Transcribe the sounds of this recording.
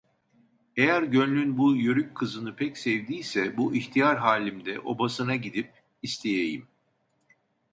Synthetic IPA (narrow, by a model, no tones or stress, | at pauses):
ejæɾɟønlʲynbujøɾyckʰːɯzɯnɯpʰɛcsɛvd̪ijsɛbuʔiçt̪ʰijaɾɦaːlʲimd̪ɛʔo̞̰basɯnaɟid̪ip̚ | ist̪ʰejejim